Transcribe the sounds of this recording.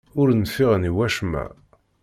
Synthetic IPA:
ʊɾnfɪʁniwæʃmæ̰

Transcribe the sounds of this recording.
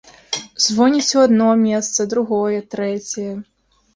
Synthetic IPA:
zvɔnʲit͡sʲuad̪nɔmʲɛst̪sɐd̪ɾuɣɔjɛt̪ɾɛt͡sʲɐjɛ

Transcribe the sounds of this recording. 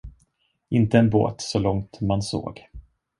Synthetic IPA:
ʔɪnt̪əɛnbo̰ːt̪sɔlɔŋt̪manso̰ːɡ

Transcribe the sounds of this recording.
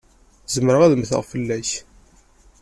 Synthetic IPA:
zəməɾəʁæðəmθə̰ʁfəlːæç

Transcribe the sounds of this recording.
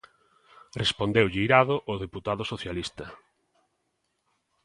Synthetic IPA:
respond̪ewʎɪiɾaðʊʔoðeput̪aðʊsoθjalist̪ɐ

